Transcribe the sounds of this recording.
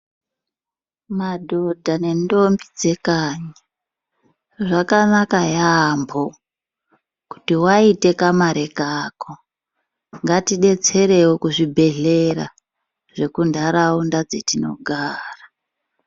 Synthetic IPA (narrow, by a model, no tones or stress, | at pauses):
madʱo̞dʱane̞ndo̞mbid͡ze̞kaːɲa | ʐakanakajambo | ku̥tiwaite̞kamaɾe̞kako | ŋɡatiɗe̞t͡se̞ɾe̞wokuʐibʱe̞ɮera̰ | ʐ̥e̞kundaɾaundad͡ze̞tino̞̰ɡʱaːra